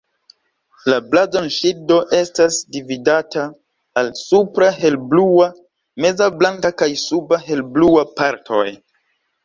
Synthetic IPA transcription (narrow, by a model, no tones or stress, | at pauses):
lablazonʃido̞ʔe̞stasdividataː | lsupɾahe̞lblua | me̞zablaŋkakajsubaɦe̞lbluapaɾtʰo̞̰j